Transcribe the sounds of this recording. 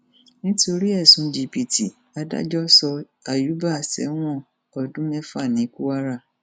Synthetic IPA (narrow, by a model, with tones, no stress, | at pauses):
nĩ˦to˧ɾi˦ɛ˦˨sũ˨˦d͡ʒi˧˨pi˨ti˨ | a˧da̰˦d͡ʒɔ˦sɔ˧ | a˨ju˨˦ba˦˨sɛ̰˨˦w̃ɔ̃˦˨ | ɔ˧dũ˦mɛ̃˦fa˦˨nĩ˨˦ku˦wa˦ɾa˦˨